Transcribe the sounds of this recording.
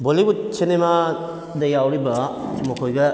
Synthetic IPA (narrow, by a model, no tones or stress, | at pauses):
bolibut͡ʃenema | dɐjawɾibɐmɔkʰojɡɐ